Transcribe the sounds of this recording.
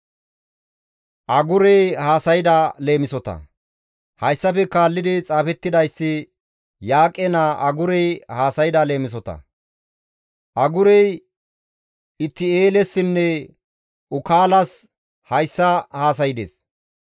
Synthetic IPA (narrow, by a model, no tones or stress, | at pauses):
ʔɐɡʊɾɛjhaːsɐjɪd̪ale̞ːmɪsɔt̪ɐ̰ | hɐjsːɐfɛkaːlːɪd̪ɪt͡sʼaːfɛt̪ːɪd̪ɐjsːɪ | jaːkʼɛnaʔɐɡʊɾɛjhaːsɐjɪd̪aːle̞ːmɪs̬ɔt̪ɐ̰ | ʔɐɡʊɾɛj | ɪt̪ːɪe̞ːlɛsːɪnːɛ | ʊkaːlɐs | hɐjsːɐhaːs̬ɐjɪd̪ḛs